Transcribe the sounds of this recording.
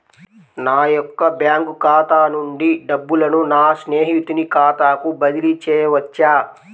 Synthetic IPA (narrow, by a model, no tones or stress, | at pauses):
naːjɔkːɐbjaːŋkukaːt̪aːnuɳɖiɖɐbːulɐnunaːsneːɦit̪unikaːt̪aːkubɐd̪ilit͡ʃɛːjɐʋɐt͡ʃːaː